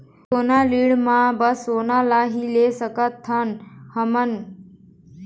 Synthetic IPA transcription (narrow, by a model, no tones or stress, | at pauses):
oːnaːliːɽmãːbəsoːnaːlaːɦiːleːsəkət̪ʰːanhəmən